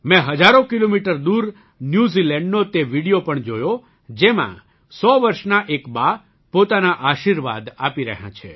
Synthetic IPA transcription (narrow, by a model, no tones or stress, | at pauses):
mɛ̃ɦəd͡ʒaɾõkilomiʈəɾd̪uɾ | njuzilɛ̃ɳɖnot̪eʋiɽijopəɳd͡ʒojo | d͡ʒemã̰ | sɔʋəɾʃnaʔekba | pot̪anaʔaʃiɾʋa̰d̪apiɾə̰ɦjã̰t͡ʃʰḛ